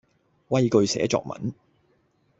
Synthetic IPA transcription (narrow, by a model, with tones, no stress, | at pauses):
wɐ˥jkɵ˧ɥsɛ̰ː˨˥t͡sɔ̰ː˧k̚mɐ̰˨˥n